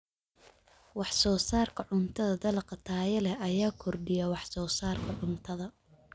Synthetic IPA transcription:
wɑħsɔːsaːrkʰɐʕʊnt̪ʰɐðɐd̪ɐlqɑt̪ʰaːjɐlɛɐjaːkʰɔrɖɪjɐwɑħsɔːsaːrkʰɐʕʊnt̪ʰɐðɐ

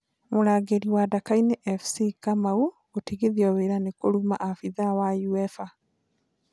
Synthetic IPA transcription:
moɾaːɣeɾiwadakaineʔɛfsikamau | otiɣiðiɔweɾanekoɾuma̰ʔafiðawajuefa

